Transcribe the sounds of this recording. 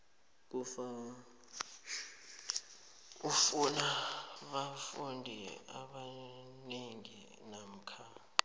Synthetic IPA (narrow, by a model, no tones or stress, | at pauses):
k̬ufa | ufunaɓafundʱia̰ɓaneŋḭ | nam̩kʰa